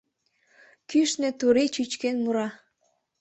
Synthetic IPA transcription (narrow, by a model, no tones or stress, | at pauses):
kyʃnĕt̪uɾit͡ɕyt͡ɕkenmuɾɑ